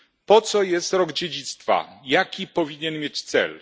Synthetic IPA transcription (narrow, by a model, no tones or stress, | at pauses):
pɔt̪sɔjɛst̪ɾɔɡd͡ʑed͡ʑit̪st̪fa̰jakʲipɔvʲiɲɛnmʲjet͡ɕt̪sɛ̰l